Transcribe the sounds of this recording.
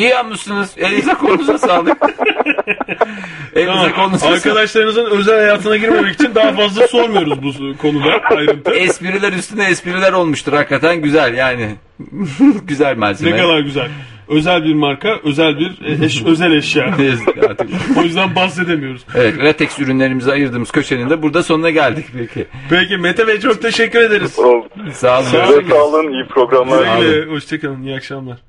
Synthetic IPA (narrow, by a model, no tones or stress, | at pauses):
ijanmɯʃsɯnɯz̥elʲizakʰo̞nusasaːlˠɯk | elizako̞lˠnusaɾkad̪aʃlˠaɾɯnɯzɯnø̞zælʲhajaːt̪ʰɯnaɟiɾmemɛki̥t͡ʃʰind̪aːfazlˠaso̞ɾmujo̞ɾuzbukʰo̞nud̪aajɾɯnt̪ʰɯɛspiɾilʲæɾjyst̪ynɛɛspiɾilʲæɾo̞lˠmuʃt̪ʰɯɾhakːat̪ʰænɟyzælʲjaːnɪ | ɟyzælʲmaɾʲzneeɛkalˠaɾɟyzælʲ | ø̞zælʲbiɾmaɾkaʔøzælʲbiɾɛʃøzɛlʲɛʃjaːeza̰ɾt̪ɯkojyzd̪anbahse̞d̪emijo̞ɾuz̥evɛt̪ɾat̪ʰɛksyɾynlʲe̞ɾimizɛajɯɾd̪ɯːmɯz̥cʰø̞t͡ʃʰenʲind̪ɛbuɾd̪aso̞nunaɟælʲd̪icpecʰɪpecimet̪ʰavet͡ʃʰok̚t̪ʰe̞ʃɛcːyɾe̞d̪eɾizolˠsaːlˠɯɛsaːlˠɯnijipʰɾo̞ɡɾamlˠaɾlʲɛɦoʃt͡ʃʰecanˠɯnijiakʃamlˠaɾ̥